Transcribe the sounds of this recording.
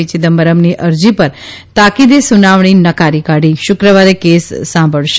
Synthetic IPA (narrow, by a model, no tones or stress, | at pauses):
it͡ʃid̪əmbəɾəmniʔəɾd͡ʒipəɾt̪akid̪esunaʋɳ̃inəkaɾikaɽiʃʊkɾəʋaɾekesːãmbʱəɭʃ